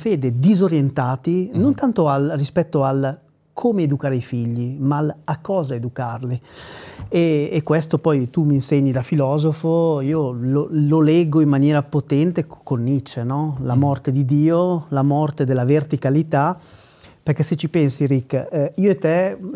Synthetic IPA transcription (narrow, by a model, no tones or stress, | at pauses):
feːd̪ed̪izoɾjent̪aːt̪inont̪ant̪oalrispɛt̪ːoal | kʰoːmeːd̪ukaːɾeifiʎːimalakːɔːzaed̪ukarli | eːkːwest̪opɔjt̪uminseɲːid̪afilɔːzofoiːolololɛɡːoimːanjɛːɾapot̪ɛnt̪ekkːonːit͡ʃːenɔlamɔrt̪ed̪id̪iːolamɔrt̪ed̪elːavert̪ikalit̪a | perkɛset͡ʃːipɛnsiɾikːiːoet̪ɛ